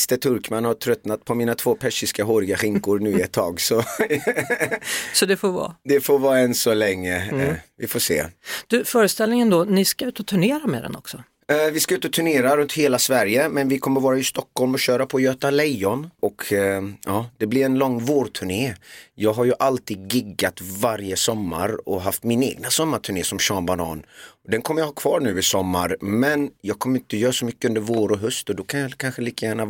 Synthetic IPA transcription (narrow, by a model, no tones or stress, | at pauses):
st̪ət̪ʰɵɾkmanhaʈʰɾœt̪nat̪̚pʰɔmiːnat̪ʰv̥oːpʰɛʂɪskaɦoːɾɪɡaɧɪŋkʊɾnʉ̟ːɛt̪ʰːɑːɡsɔ | sɔd̪ɛfoːvɑ̰ːd̪ɛfoːvɑːɛnsɔlɛŋːəvɪfoːsḛːd̪̥ɵfœːɾəst̪ɛlnɪŋənd̪ɔnɪskaʉ̟ːt̪ɔt̪ʰɵɳeːɾamɛ̰d̪ɛ̰nɔ̰ksɔ | vɪskaʉ̟ːt̪ɔt̪ʰɵɳeːɾaɾɵnt̪heːlasvæɾjəmɛnvɪkʰɔmːəɾvɑːɾaɪst̪ɔkːɔlmɔɕøːɾapʰɔjøːt̪alɛjɔnɔkʰ | ɑːd̪̥ɛblɪɾɛnlɔŋːvoːɾt̪ʰʉɳeːjɑːɡɦaɾjɵʔalt̪iːd̪̚ɡɪɡːat̪vaɾjəsɔmːa̰ɾɔɦaft̪mɪnḛːɡnasɔmːaʈʰʉɳeːsɔmɕɑːnbanɑ̰ːnɔd̪ɛnkʰɔmːəɾjahɑːkʰvɑːɾɳʉ̟ːɪsɔmːa̰ɾmɛnjɑːɡ̚kʰɔmːəɾɪnt̪ːəjœːɾasɔmʏkːəɵnd̪əɾvoːɾɔɦɵst̪ɔd̪ɔkʰanjɑkʰanɧəliːk̪əjæːɳa